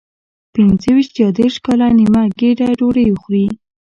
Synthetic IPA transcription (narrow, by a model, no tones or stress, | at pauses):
pɪnzəwiʃt̪jɑd̪eɾʂkɑlanimaɡeɖaɖoɽejuxɾi